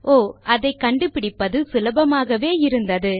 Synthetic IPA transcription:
ʔoːɐðɐɪkɐɳɖɯpɪɽɪpːɐðɯsɪlɐbɐmaːɣɐʋeːɪɾɯnd̪ɐðɯ

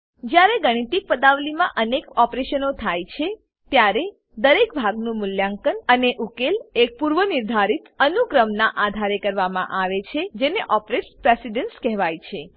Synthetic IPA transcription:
d͡ʒjaɾeɡəɽ̃it̪ik̚pəd̪aʋlimã̰ʔənekɔpɾeʃənot̪ʰajt͡ʃʰe | t̪jaɾe | d̪əɾekbʱaɡnũmʊljaŋkənəneʔukelek̚puɾʋəniɾd̪ʱaɾit̪ənukɾəmnaʔad̪ʱaɾekəɾʋamã̰ʔaʋet͡ʃʰed͡ʒeneʔɔpɾeʈspɾesiɖənskɛɦʋajt͡ʃʰe

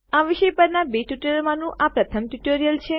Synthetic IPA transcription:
aʋiʃəjpəɾnabeʈjuʈəlmãnũʔapɾət̪ʰəmʈjuʈoɾijəlt͡ʃʰe

